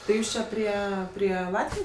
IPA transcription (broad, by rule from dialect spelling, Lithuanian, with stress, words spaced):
tɐɪ ˈjuːs ˈt͡ʃʲɛ ˈpʲrʲiɛ pʲrʲiɛ ˈlˠɑːtʲʋʲɪjoːs